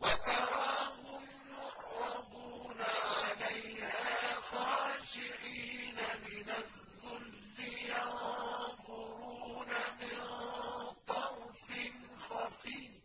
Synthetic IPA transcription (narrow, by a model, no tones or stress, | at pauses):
wat̪ɑɾˤɑːhʊm | jʊɾːɑbuːnaʕalajhaːxaːʃɪʕiːnamɪnaðːʊlːɪjanðˤʊɾunamɪnt̪ˤɑɾfɪn | xafiː